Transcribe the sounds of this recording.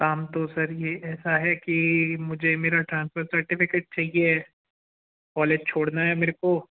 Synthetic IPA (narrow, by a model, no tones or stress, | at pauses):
kaːmt̪osɐɾjeɛːsaɦɛkimʊd͡ʒʱemeːɾaʈɾãːnsfəɾsɐɾʈɪfɪkeːʈ̚t͡ʃaːɦie | kɔːleːd͡ʒt͡ʃʰoːɽnaɦɛmeːɾeko